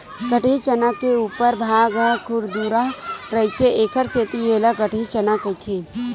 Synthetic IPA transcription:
kəʈʰit͡ʃənakeuːpəɾbʱaːɡakʰʊɽd̪uɾaɾəɦit̪ʰeeːkʰəɾt͡ʃeːt̪ieːlakəʈʰit͡ʃənakəit̪ʰe

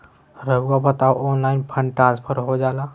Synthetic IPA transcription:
ɾəbɡabət̪aoʔoːnlaːɪnpʰə̃ɳɖʈɾãːnspʰəɾɦod͡ʒaːlaː

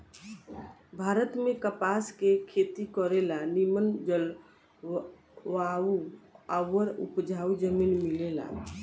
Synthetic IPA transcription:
bʱaɾət̪mekəpaskekʰet̪ikəɾelanimənd͡ʒəl | ʋauawəɾṵpd͡ʒʱaud͡ʒəminmilela̰

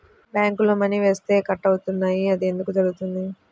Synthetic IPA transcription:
bjaːŋkuloːmɐniʋe̞ːst̪e̞ːkɐʈːɐwut̪unːaːjiɐd̪ie̞nd̪ukud͡ʒɐɾuɡut̪und̪i

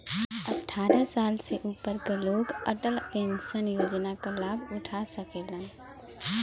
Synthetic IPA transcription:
əʈʰːaːɾəsaːlseʔupəɾkeloːɡəʈəlpẽnsənjoːd͡ʒnakalaːbʱʊʈʰasəkelən

